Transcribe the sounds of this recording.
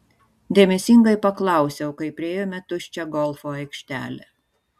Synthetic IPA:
d̪ʲeːmʲɛsʲɪŋɡɐɪpɐklˠɐˑʊsʲɛʊkɐɪpʲɾʲɪeːjomʲɛt̪ʊt͡ʃʲɛɡɔlˠfoɐɪkʃʲt̪ʲæ̰ːlʲe

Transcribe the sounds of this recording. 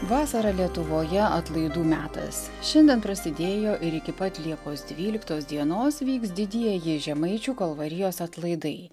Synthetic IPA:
ʋɑːsɐɾɐlʲiɛt̪ʊʋoːjɛɐt̪lˠɐɪd̪uːmʲæːt̪ɐ̰s | ʃʲɛnʲd̪ʲɛnpɾɐsʲɪd̪ʲeːjoːʔɪɾɪkʲɪpɐt̪ʲlʲiɛkoːsd̪ʲʋʲiːlʲɪkt̪oːsd̪ʲiɛnoːsʋʲiːksd̪ʲɪd̪ʲiɛjɪʒʲɛmɐɪt͡ʃʲuːkɐlˠʋɐɾʲɪjoːsɐt̪lˠɐɪd̪ɐɪ

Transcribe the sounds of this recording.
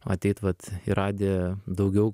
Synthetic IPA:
ɐ̰t̪ʲɛɪt̪ʋɐt̪iɾɑːd̪ʲeːd̪ɐʊɡʲɛʊ

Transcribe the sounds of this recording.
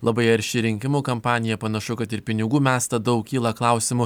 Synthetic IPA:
lˠɐbɐɪɐɾʲʃʲɪɾʲɪŋʲkʲɪmuːkɐmpɑːnʲɪjɛpɐnɐʃʊkɐt̪ɪɾpʲɪnʲɪɡuːmʲæːst̪ɐd̪ɐʊkkʲiːlˠɐklˠɐʊsʲɪmʊ

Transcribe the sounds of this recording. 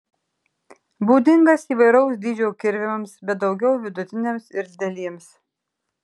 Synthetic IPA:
buːd̪ʲɪŋɡɐsiːʋɐɪɾɐʊsd̪ʲiːd͡ʒʲɛʊkʲɪɾʲʋʲɪmɐmsbʲɛt̪̚d̪ɒʊɡʲɛʊʋʲɪd̪ʊt̪ʲɪnʲemsɪɾʲzʲd̪ʲɛlʲiɛms

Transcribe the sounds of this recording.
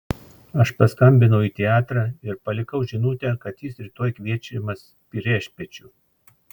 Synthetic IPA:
ɐʃpɐskɐmʲbʲɪnɐʊiːt̪ʲɛɑːt̪ɾɑːɪɾpɐlʲɪkɐʊʒʲɪnuːt̪ʲɛːkɐt̪jiːsɾʲɪt̪oɔːjkʋʲiɛt͡ʃʲɪmɐs | pʲiɾʲɛʃʲpʲɛt͡ʃʲuː

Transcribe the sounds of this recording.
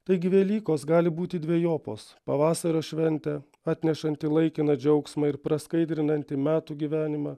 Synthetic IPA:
t̪ɐɪɡʲɪʋʲeːlʲiːkoːsɡɑːlʲɪbuːt̪ʲɪd̪ʲʋʲiɛjoːpo̰ːspɐʋɑːsɐɾoːʃʲʋʲɛnʲt̪ʲɛ | ɑːt̪ʲnʲɛʃɐnʲt̪ʲɪlˠɐɪkʲɪnɐd͡ʒʲɛʊksmɑɪɾpɾɐskɐɪd̪ʲɾʲɪnɐnʲt̪ʲɪmʲæːt̪uːɡʲiʋʲæːnʲɪmɑ

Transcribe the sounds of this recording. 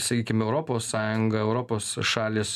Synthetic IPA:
sɐkʲiːkʲɪmɛʊɾoːpoːsːɑːjʊŋɡɐɛʊɾoːpoːsʃɑːlʲeːs

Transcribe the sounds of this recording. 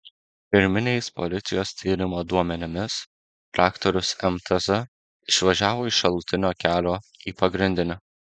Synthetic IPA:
pʲɪɾʲmʲɪnʲeɪspɔ̰lʲɪt̪sʲɪjoːst̪ʲiːɾʲɪmoːd̪uɔmʲɛnʲɪmʲɪs | t̪ɾɑːkt̪ɔɾʲʊsɛmt̪ɐzɐ | ɪʃʲʋɐʒʲæːʋoːɪʃɐlˠt̪ʲɪnʲoːkʲæːlʲoːiːpɐɡɾʲɪnʲd̪ʲɪnʲɛ

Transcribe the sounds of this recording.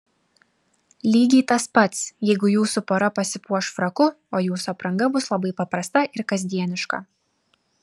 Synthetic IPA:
lʲiːɡʲiːt̪ɐspɐt̪sjɛɪɡʊjuːsʊpoːɾɐpɐsʲɪpuɔʃfɾɐkʊ | oːjuːsʊɐpɾɐŋɡɐbʊslˠɐbɐɪpɐpɾɐst̪ɐʔɪɾkɐzʲd̪ʲiɛnʲɪʃkɐ̰

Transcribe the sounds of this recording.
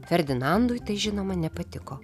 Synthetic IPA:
fʲɛɾʲd̪ʲɪnɑnd̪ʊjt̪ɐɪʒʲɪnoːmɐnʲɛpɐt̪ʲɪkoː

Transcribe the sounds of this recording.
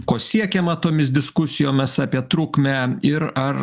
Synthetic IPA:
koːsʲiɛkʲemɐt̪oːmʲɪsd̪ʲɪskʊsʲɪjoːmʲɪsɑːpʲiɛt̪ɾuːkmʲæɪɾɐr

